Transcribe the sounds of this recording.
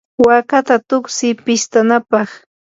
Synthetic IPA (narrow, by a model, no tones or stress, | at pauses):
wakat̪at̪ʊksɪpɪst̪anapɑχ